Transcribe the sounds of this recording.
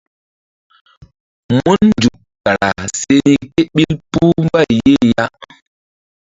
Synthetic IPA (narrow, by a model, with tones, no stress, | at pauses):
mu˦nnd͡ʒu˨k | ka˨ɾa̰˨se˦ni˦ke˦ɓi˦lpu˦mba˦˨je˦˨ja˦